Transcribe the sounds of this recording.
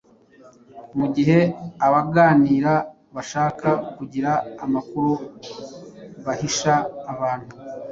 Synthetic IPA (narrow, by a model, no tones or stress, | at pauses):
muɟiɦe̞aβaɡaːniːɾa | βaʃaːkakuɟiɾaːmakuɾu | βahiʃaːβaːn̥hu